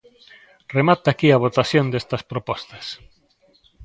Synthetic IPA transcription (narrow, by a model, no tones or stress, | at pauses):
remat̪aːkiaβ̞ot̪aθjond̪est̪ɐspɾopɔst̪ɐs